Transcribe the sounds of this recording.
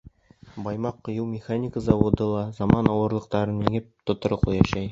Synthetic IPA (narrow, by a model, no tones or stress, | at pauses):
bɑjmɑqːŏjɤwmʲɪχanʲikəzɑwod̪ɤlˠɑzɑmɑnɑwɤ̆ɾlˠɤ̆q̚t̪ɑɾɤniŋɘp̚t̪ŏt̪ŏɾɤqojɑɕɑj